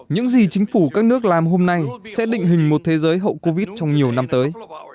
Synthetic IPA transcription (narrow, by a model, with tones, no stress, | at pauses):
ɲɨ̰˧˥ŋzi˨˩t͡ɕï˨˦ŋ̟fu˧˩kaː˦˥k̚nɨ˦˥ək̚laː˨˩mɦo˧mna˧jsɛ̰˧˥ɗḭ̈˧˨ŋ̟ɦï˨˩ŋ̟mo˨˩t̚t̪ʰe˨˦zəː˨˦jɦə̰˧˨wko˧vi˦˥t̚t͡ɕɔ˧wŋ͡mɲi˨˩əwna˧mt̪əː˨˦j